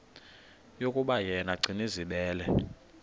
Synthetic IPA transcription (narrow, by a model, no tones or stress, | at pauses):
jokʼuɓajɛnaɡ͡ǀʱiniziɓɛːlɛ